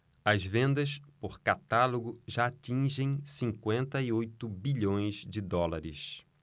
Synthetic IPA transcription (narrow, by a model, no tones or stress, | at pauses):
ɐzvẽnd̪ɐspoɾkat̪aloɡʊʒaːtĩʒẽj̃sĩŋkwẽnt̪ɐiojt̪ʊbiʎõj̃zd͡ʒɪd̪ɔlaɾɪ̰s